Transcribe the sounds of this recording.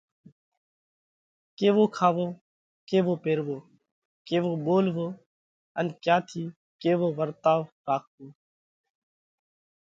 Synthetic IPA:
keːʋoːkʰaːʋoː | keːʋoːpeːɾʋoː | keːʋoːɓoːlʋoː | ənkjaːt̪ʰiː | keːʋoːʋəɾt̪aːʋɾaːk̚toː

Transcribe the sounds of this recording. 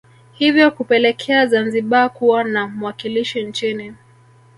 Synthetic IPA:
hivjɔkupɛlɛkʰɛazanziɓakuwanamuwakiliʃint͡ʃini

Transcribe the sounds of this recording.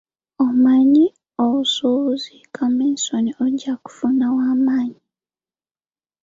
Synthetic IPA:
omaɲi | oβusuβuzikʰaminsonioɟaku̥funawaːmaːɲi

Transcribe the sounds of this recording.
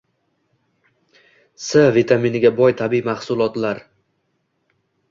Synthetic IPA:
savit̪ʰaminɪɡʲabɒjt̪ʰabimahsʊlˠɒt̪laɾ

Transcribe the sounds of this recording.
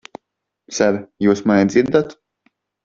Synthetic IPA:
saɾjuːsmanʲid̪ziɾd̪at̪

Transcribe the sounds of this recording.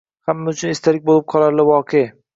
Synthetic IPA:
hamːaʊt͡ʃʰʊnɪst̪ʰalɪk̚ʲbolɪp̚qʰɒlˠaɾlɪvɒqʰej

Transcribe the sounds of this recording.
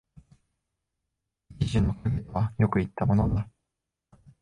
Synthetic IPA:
d͡ʑʲiʑĩnːokaɡʲieβajo̞kɯ̟it̪ːamo̞nod̪a

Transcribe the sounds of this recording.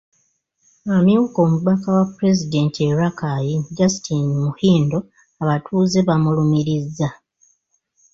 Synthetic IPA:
amjuːko̞ːmuβakawapːuɾe̞zide̞ːntʰieɾakajiɟasi̥tʰinmuhiːndo̞ | aβatʰuːze̞βamulumiɾizːa

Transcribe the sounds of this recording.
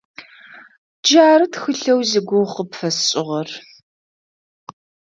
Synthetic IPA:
d͡ʒaːɾɨtxɨɬɐwziɡʷʊχəpfɐsɕʼɪʁɐr

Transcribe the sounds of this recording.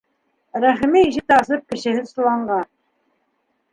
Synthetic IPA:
ɾæχmiiʃɪt̪ɑsɨp̚kʲɪ̆ʃɪɦɪslˠɑɴʁɑ

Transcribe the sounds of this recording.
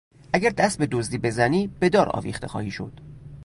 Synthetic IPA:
ʔæɡæɾd̪æst̪̚be̞d̪ozd̪iːbe̞zæniːb̥e̞d̪ɒːɾɒ̰ːvḭːxt̪e̞̰xɒ̰ːhiːʃo̞̰d̪̥

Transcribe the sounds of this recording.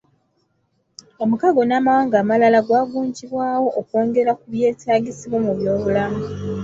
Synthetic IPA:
o̞mukaɡo̞naːmawaːŋɡaːmalalaɡwaːɡuːɲɟiβwaːwo̞ʔːkwo̞ːŋɡe̞ɾakuβje̞ːtʰaːɟisiβwomuβjo̞βulamu

